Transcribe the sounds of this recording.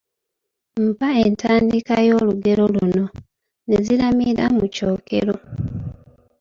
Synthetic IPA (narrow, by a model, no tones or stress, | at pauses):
m̩pae̞ntaːndikajo̞ːluɡe̞ɾo̞luno̞ | nezilamiɾamuco̞ːkḛɾo